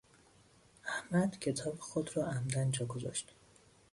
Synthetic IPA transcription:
ʔæhmæd̪cʰe̞t̪ʰɒːbexod̪rɒːʔæmd̪ænd͡ʒɒːɡozɒ̰ʃt̪

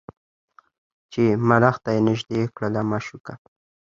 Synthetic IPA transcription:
t͡ʃemaɾaxt̪ajenɪʒd̪ekɽəlamaʃuka

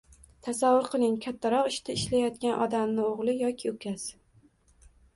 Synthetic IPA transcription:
t̪ʰasavːʊɾqʰɨlˠɪŋkʲʰat̪ʰːaɾɒqɪʃt̪ʰaɪʃlajɒt̪kʲanʔɒd̪amnɪoʁlˠɪjɒkʲʰɪʊkʲʰas

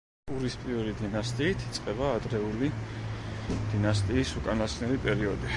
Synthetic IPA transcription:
uɾispʼiɛlid̪inast̪ʼiːt̪ʰi̥t̪sʼqʼɛbaːd̪ɾɛuli | d̪̥inast̪ʼiːsukʼanasnɛɾipʼɛɾiɔd̪i

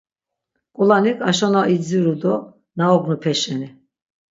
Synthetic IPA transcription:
kʼulanikʼaʃɔnaʔid͡ziɾud̪ɔ | naɔɡnupʰɛʃɛni

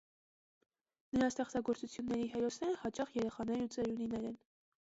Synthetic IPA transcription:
nəɾɑst̪ɛχt͡sɑɡɔɾt͡sut͡sʰjunːɛɾiɦɛɾɔsnɛɾəhɑt͡ʃɑχjɛɾɛχɑnɛɾut͡sɛɾjuninɛɾɛn

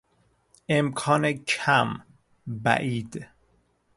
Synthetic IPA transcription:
ʔemkʰɒːnecʰæm | bæ̰ʔiːd̪

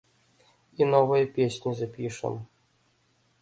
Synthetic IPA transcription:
inɔvɨjɛpʲesʲnʲizɐpʲiʂɛ̰m

